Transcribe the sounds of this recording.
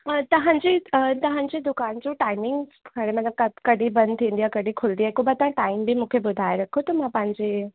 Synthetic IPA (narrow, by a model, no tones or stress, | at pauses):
ət̪ɐɦãɲd͡ʑit̪ɐɦãɲt͡ɕed̪ʊkaːnt͡ʃũʈaːɪmɪ̃ŋɡkʰəɽemɐt̪ləb̚kɐkɐɽibɐ̃nd̪t̪ʰĩːnd̪ijakɐɽikʰʊld̪iaekubat̪ɐɦãʈaːimbʱimũːkʰebʊd̪ʱaːeɾɐkʰot̪omãpãɲd͡ʑe